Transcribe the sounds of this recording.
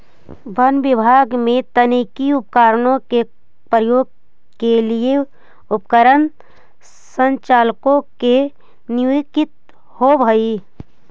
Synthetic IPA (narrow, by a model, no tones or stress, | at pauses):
bənʋɪbʱaːɡmẽt̪ənikiʊp̚kaːɾnõke | pɾəjoːɡ̚ | kelie | ʊpkəɾən | sə̃nt͡ʃaːlkõke | njukɪt̪̚ | hobʱəi